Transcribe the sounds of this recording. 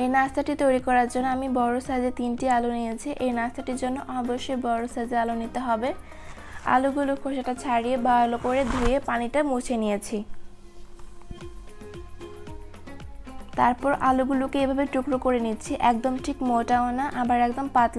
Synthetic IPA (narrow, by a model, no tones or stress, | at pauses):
enast̪aʈit̪ojɾikɔɾaɾd͡ʑonːoamibɔɾosad͡ʑet̪inʈialunijet͡ɕʰiʔenast̪ʰaʈiɾd͡ʑonːoʔɔboʃːojbɔɾosad͡ʑealonit̪eɦɔbe | a̰luɡulukʰoʃaʈat͡ɕʰaɾijebalokoɾed̪ʱujepaniʈamut͡ɕʰenijet͡ɕʰi | t̪aɾpɔɾʔaluɡulukeebʱabeʈukɾokoɾenitːɕʰiʔɛk̚d̪omʈʰikmoʈaonaʔabaɾɛkd̪ompat̪l